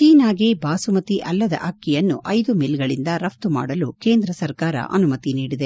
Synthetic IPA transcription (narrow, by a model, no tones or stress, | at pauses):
t͡ʃiːnaːɡebaːsumɐt̪iʔɐlːɐd̪ɐ̰ʔɐkːijɐnːuʔɐjd̪umilɡɐɭind̪ɐɾɐft̪uma̰ːɽɐluke̞ːnd̪ɾɐsɐɾkaːɾɐ̰ʔɐ̰numɐt̪iniːɽid̪e